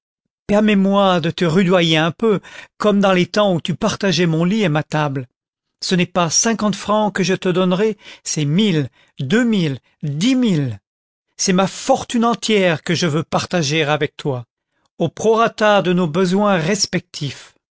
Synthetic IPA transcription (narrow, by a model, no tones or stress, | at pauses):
pɛʁmɛmwad̪ət̪əʁyd̪wajeɛ̃pøkɔmd̪ɑ̃let̪ɑ̃ut̪ypaʁt̪aʒɛmɔ̃liemat̪abl | sənɛpasɛ̃kɑ̃t̪fχɑ̃kəʒət̪əd̪ɔnʁɛsɛmil | d̪ømil | d̪imil | sɛmafɔʁt̪ynɑ̃t̪jɛʁkəʒəvøpaʁt̪aʒeʁavɛk̚t̪wa | opχɔʁat̪aʁd̪ənobəzwɛ̃ʁɛspɛk̚t̪ʰif